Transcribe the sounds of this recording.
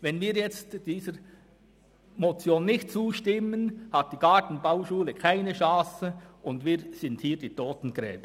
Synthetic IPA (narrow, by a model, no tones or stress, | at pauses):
vɛnviːɾjɛt͡std̥iːzəɾ | mot͡sjoːnːɪçt̚t͡suːʃtɪmənhɑt̚d̥iːɡ̥ɑtn̩baʊʃuːləkʰaɪnəʃɑ̃ːsəʔʊndviːɾz̥ɪnthiːɐd̥iːtʰoːtn̩ɡ̥ʁɛ̰ːb̥ə